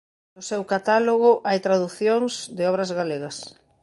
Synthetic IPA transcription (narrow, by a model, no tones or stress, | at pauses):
nʊsewkat̪aloɣʊʔajt̪ɾaðuθjoŋsd̪ɪɔβ̞ɾɐzɣaleɣɐs